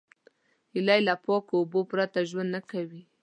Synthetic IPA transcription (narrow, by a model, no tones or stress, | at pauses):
hɪlajlapɑkoobopɾat̪aʒwand̪nakawi